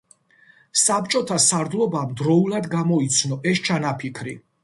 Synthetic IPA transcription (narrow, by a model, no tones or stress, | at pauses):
sap̚t͡ʃʼɔt̪ʰasaɾd̪lˠɔbamd̪ɾɔulˠad̪ɡamɔit̪sʰnɔʔɛst͡ʃʰanapʰikʰɾi